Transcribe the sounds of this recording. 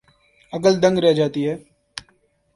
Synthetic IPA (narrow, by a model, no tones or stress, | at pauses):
ɐkəld̪ɐ̃ŋɡɾɛɦd͡ʒaːt̪iɦɛː